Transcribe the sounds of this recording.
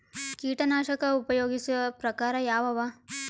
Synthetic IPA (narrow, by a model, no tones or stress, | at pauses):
kiːʈɐnaːʃɐkɐupɐjoːɡisuʋɐpɾɐkaːɾɐjaːʋɐʋaː